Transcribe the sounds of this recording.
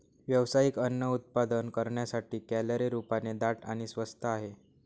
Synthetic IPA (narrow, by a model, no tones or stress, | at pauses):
ʋjəʋsajikənːəut̪̚pad̪ənkəɾɳjasaʈiːkæləɾeɾupaned̪aʈa̰ɽ̃isʋəst̪ʰaaɦe